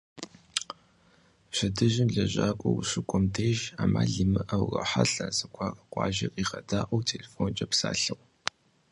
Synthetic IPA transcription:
ɕɐdɨʒɪmɮɐʑaːkʷʼɔwɕɪkʷʼɔmtʰeːʒaːma̰ːɮɨmɨʔɐwrɐ̰ħaɬɐzɨkʷʰɑrʼɐqʷʼɑ̰ːʒɐqʼiːχɐdaːʔɐwtʰeːlefont͡ʃʼɐpsa̰ːɬɨw

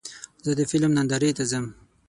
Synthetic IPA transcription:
zəd̪əfɪlmnand̪aɾet̪azəm

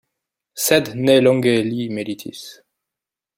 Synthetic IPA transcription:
sɛd̪nelɔ̃ŋɡelimelit̪ʰḭs

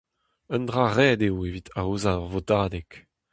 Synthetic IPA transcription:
əndʁaːʁɛːdewevit̪ʰaozaɔʁvotaːdɛk

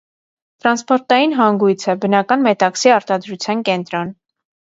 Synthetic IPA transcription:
t̪ɾɑnspɔɾt̪ɑjinɦɑŋɡujt͡sʰɛbənɑkɑnmɛt̪ɑksiɑɾt̪ɑd̪ɾut͡sʰjɑnkɛnt̪ɾɔn

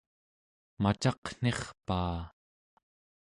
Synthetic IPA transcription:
mat͡ʃɑqn̥e̞χpaː

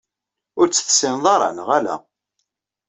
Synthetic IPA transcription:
ʊɾt͡sːə̥θə̥sɪnðˤɑɾˤɑ̰nəʁælæ̰

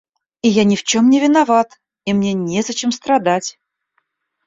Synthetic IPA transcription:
ɪjanʲɪft͡ɕomnʲɪvʲɪnɐvat̪ | imnʲe̞nʲezɐt͡ɕemst̪ɾɐd̪atʲ

